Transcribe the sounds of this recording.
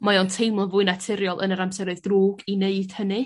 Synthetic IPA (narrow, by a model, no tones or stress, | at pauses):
majɔntʰejmlˠɔvʊɨnatʰɪɾjɔlˠʔə̰nəɾamsɛɾoɨðdruːɡineɨd̥hənɨ